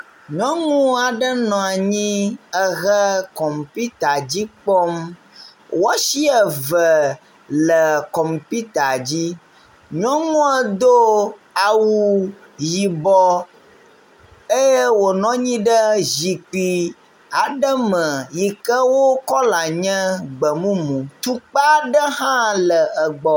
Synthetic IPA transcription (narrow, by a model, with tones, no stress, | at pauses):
ɲɔ̃˦ŋũ˦a˨ɖə˦nɔ̃˨a˨ɲĩ˦ə˨ɣə˦kɔ˨mpi˦t̪a˨d͡ʑi˦k͡pɔ˦m | wɔ˦ʃi˦ə˨və˨ | lə˨kɔ˨mpi˦t̪a˨d͡ʑi˦ | ɲɔ̃˦ŋũ˦ə˦d̪o˦ | a˨wu˨ | ji˨bɔ˨ | e˦je˦wo˨nɔ̃˦ɲĩ˦ɖə˦zi˨k͡pi˨ | a˨ɖə˦mə̃˨ji˨kə˦wo˦kɔ˦la˨ɲɛ̃˦ɡ͡bə˨mũ˦mũ˨t̪u˦k͡pa˦ɖə˦ɦã˦lə˨ə˨ɡ͡bɔ˨